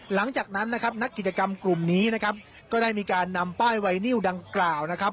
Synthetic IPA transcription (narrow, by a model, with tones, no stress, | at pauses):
la˩˦ŋt͡ɕaː˨˩k̚na˦˥nːa˦˥kʰa˦˥p̚na˦˥kːi˨˩t̪t͡ɕa˧ka˧mklu˨˩mniː˦˥na˦˥kʰa˦˥p̚ | kɔː˥˩daː˥˩jmiː˧kaː˧nːa˧mpaː˥˩jwa˧jni˥˩wda˧ŋklaː˨˩wna˦˥kʰa˦˥p̚